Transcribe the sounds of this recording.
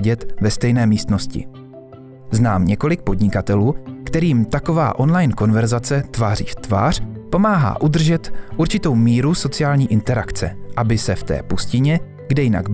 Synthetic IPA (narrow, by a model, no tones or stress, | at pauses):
ɟɛt̪vɛst̪ɛjnɛːmiːst̪no̞scɪ̰ | znaːmɲɛko̞lɪk̚po̞d̪ɲɪkat̪ɛluːkt̪ɛɾiːmt̪ako̞va̰ːʔo̞nlajnko̞nvɛɾzat͡sɛt̪vaːr̝ḭːft̪va̰ːr̥po̞maːɦa̰ːʔud̪r̩ʒɛt̪ʔuɾt͡ʃɪt̪o̞wmiːɾuso̞t͡sɪjaːlɲiːʔɪnt̪ɛɾakt͡sɛ̰ʔabɪsɛft̪ɛ̰ːpuscɪɲɛ | ɡdɛjɪna̰ɡb